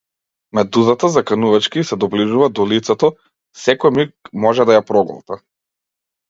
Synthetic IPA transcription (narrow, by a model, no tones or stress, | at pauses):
mɛd̪uzat̪azakanuvat͡ʃkiːsɛd̪ɔbliʒuvad̪ɔlit̪sɛt̪ɔ | sɛkɔjmik̚mɔʒɛd̪ajapɾɔɡɔ̰lˠt̪a